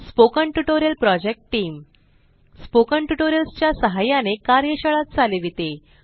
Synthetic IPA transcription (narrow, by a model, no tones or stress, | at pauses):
spokəɳʈuʈoɾijəlpɾɔd͡ʑek̚ʈʈːiːm | spokəɳʈuʈoɾjəlst͡ɕjasəɦajanekaɾjəɕəɭat̪̚t͡saleʋit̪e